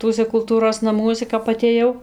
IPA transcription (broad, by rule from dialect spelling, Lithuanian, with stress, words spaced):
ˈtuɔsʲɛ kʊlˠˈtuːroːs nɐˈmuɔsʲɛ kɐp ɐtʲeːˈjɛʊ